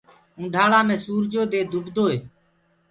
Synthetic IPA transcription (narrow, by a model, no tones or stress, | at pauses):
ũːɖʱaːɭãːmẽːsuːɾd͡ʒoːd̪eːd̪ʱʊbd̪ʱoːɦeː